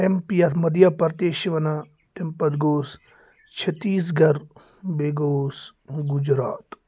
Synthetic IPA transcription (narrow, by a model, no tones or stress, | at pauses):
empijɐt̪ʰmɐd̪jɐpɐɾt̪eːʃiʋɐna | t̪empɐd̪ɡoːs | t͡ʃʰɐt̪iːs̬ɡɐɾ | beːɡoːsɡud͡ʒɾaːt̪